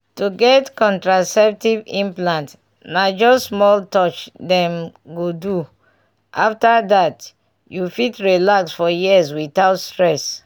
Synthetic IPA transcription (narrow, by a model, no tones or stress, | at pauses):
tuɡɛtkɔ̃ntɹasɛp̚tivĩmplãnt | nad͡ʒɔsmɔltɔt͡ʃdɛ̃mɡodu | ʔaftadat | jufitɹilaksfɔjizwiθaʊtstɹɛs